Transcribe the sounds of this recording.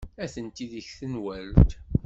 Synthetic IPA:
æθənt̪iðəçθənwælt̪

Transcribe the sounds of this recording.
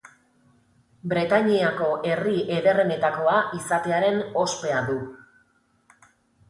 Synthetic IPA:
bɾe̞t̪aɲiako̞ʔe̞rie̞ðe̞re̞ne̞t̪ako̞aʔisat̪e̞aɾe̞no̞spe̞aðu

